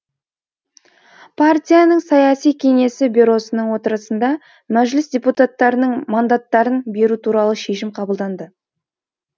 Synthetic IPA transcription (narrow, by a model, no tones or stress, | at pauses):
pʰart̪ʲijanəɴsɑjɑsijkʲʰe̞ŋe̞sɪbʲiɾo̞sənəɴwo̞t̪əɾəsənd̪ɑ | mæʒlɪsdʲe̞put̪at̪ːɑɾənəɴmand̪at̪ːɑɾənbe̞ɾut̪ʰuɾɑlˠəʃe̞ʃɪmqʰɑbəlˠd̪ɑnd̪ə